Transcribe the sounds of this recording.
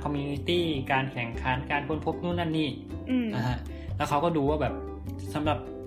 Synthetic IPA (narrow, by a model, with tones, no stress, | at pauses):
kʰɔ˧mijuː˧ni˦˥t̪iː˥˩kaː˧nkʰɛ˨˩˦ŋkʰa˩˦˥nkaː˧nkʰo˧npʰo˦˥p̚nuː˥˩nːa˥˩nːiː˥˩ | ɯ˧na˧ha˦˥ʔ | lɛ˦˥wkʰa˦wkɔː˥˩duː˧waː˥˩bɛː˨˩p̚ | sa˩˦mɾa˨˩p̚